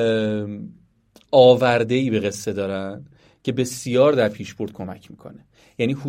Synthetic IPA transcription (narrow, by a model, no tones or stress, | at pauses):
ɒːvæɾd̪eiːbe̞ɣe̞sːe̞d̪ɒːɾæn | cʰe̞be̞sijɒːɾd̪æɾpʰiːʃb̥o̞ɾd̪̥̚kʰo̞mæ̰cʰmiːkʰo̞̰ne | jæːniːhu